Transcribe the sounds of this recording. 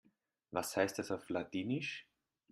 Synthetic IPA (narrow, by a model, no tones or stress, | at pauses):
vashaɪst̚d̥asaʊflatiːnɪʃ